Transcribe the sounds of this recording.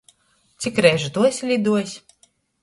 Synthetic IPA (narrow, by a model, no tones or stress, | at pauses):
t̪sikɾɛjʒut̪uɔsʲlʲid̪uɔsʲ